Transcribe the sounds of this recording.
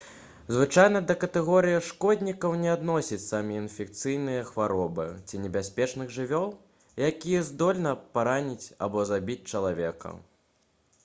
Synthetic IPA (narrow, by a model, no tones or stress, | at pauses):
zvɨt͡ʂajnɐd̪ɐkɐt̪ɛɣɔɾɨjiʂkɔd̪ʲnʲikɐwnʲɛad̪nɔsʲit͡sʲsamʲiinfʲɛk̚t̪sɨjnɨjɐxvaɾɔbɨ̰t͡sʲinʲɛbʲasʲpʲɛt͡ʂnɨɣʐɨvʲɔlˠ | jakʲijɐzd̪ɔlʲnɐpaɾanʲit͡sʲa̰bɔzabʲit͡sʲt͡ʂɐlˠavʲɛkɐ̰